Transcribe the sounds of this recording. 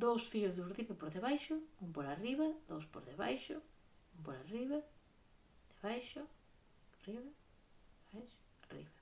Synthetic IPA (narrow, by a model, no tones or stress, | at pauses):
d̪owsfiʎʊzðuɾðimɪpoɾðeβajʃʊumpoɾariβɐðowspo̰ɾðeβa̰jʃo̰ | umpoɾariβa | ð̥eβajʃo | riβa | βajʃo̥ | arḭβa